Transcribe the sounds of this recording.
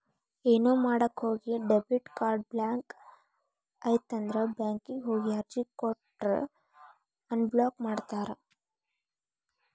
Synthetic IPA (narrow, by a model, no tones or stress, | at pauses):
eːnuːmaːɽɐkhoːɡiɖebuʈkaːɾɖ̚blaːŋk | ɐjt̪ːɐnd̪ɾɐbjaːŋkiɡɦoːɡiɐɾd͡ʒikoʈː | ɐnbloːkmaːɖt̪aːɾɐ